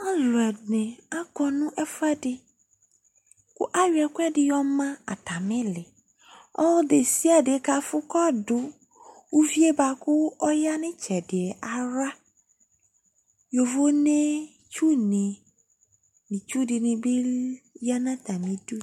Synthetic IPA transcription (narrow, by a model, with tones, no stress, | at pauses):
a˦lʊ˨ɛ˨nɪ̃˨a˦kɔ˨nʊ̃˦ʔɛ˦fa˦dɪ˦ | kʊ̰˦ʔa˦ɥi˨ɛ˨kʊ˦ɛ˦dɪ˦jɔ˦mã˦a̰˨ta˨mɪ̃˦lɪ˨ | ɔ˦de˨si˦a˨dɪ˨˦ka˨fʊ˦kɔ˦dʊ˨ | u˦vi˦e˦ba˨kʊ˦ɔ˦ja˦nɪ̃˦t͡ʃɛ˨dɪ˨ɛ˨ʔa˨ɾa˦ | jo˨vo˦nẽ˦ | t͡ʃu˦nɪ̃˨ | nɪ̃˨t͡ʃu˦dɪ˨nɪ̃˨bɪ˦ja˦nã˦t̪a˨mĩ˨du˦